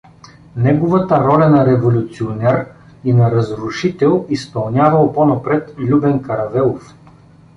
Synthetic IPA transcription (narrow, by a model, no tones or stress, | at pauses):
nɛɡovət̪əɾɔlʲɐnɐɾɛvolʲut̪sionɛɾ | inɐɾɐzɾʊʃit̪ɛlˠispɐlˠnʲavɐlˠponɐpɾɛt̪lʲubɛnkɐɾɐvɛlˠof